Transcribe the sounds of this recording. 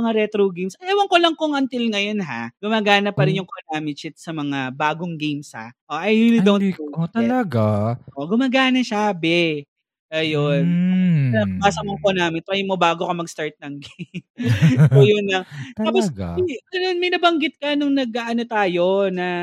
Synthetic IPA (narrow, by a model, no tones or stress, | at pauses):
ɐŋaɾɛt̪ɾoɡejmsʔɐjawɐŋkolɐŋkoŋʔɐnt̪ɪlŋɐjo̞nɦa̰ɡ̥ʊmaːɡaːnɐpːɐɾɪnjʊŋkonaːmɪt͡ʃɪt̪̚sɐmɐŋabaːɡoŋɡejmsha̰ʔoʔɐjulid̪ownt̪ɐlɐɡaʔoɡʊmaːɡaːnɐʃabɛ | ʔɐjonɐmaːsɐmoŋkonaːmɪt̪ɾɐjmobaːɡokɐmɐɡst̪aɹt̪̚nɐŋɡem | ojonɐŋt̪aːposɡɐno̞nmɐjnɐbɐŋɡɪt̪̚kɐnʊŋnɐɡaʔɐnot̪aːjo̞nɐ